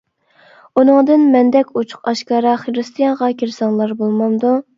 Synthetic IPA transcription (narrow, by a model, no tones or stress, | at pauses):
unɨŋd̪ɨnmɛnd̪ɛkʲʰut͡ʃʰʊ̥qɑʃkɑːɾɑχeɾɨst̪ʰijɑŋʁɑkʲʰiɾsɑŋlˠɑɾbolˠmɑmd̪u